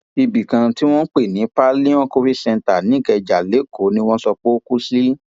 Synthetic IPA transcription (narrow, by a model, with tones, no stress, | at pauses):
i˧bi˨kã˧ti˦w̃ɔ̃˦k͡pe˦˨nĩ˨˦pa˦lĩ˦w̃ɔ̃˦ko˦ɾi˦sɛ̃˧nta˨nĩ˨˦˨kɛ˧d͡ʒa˨le˨˦˨ko˨˦nĩ˦w̃ɔ̃˦sɔ˧k͡po˦o˦ku˦si˦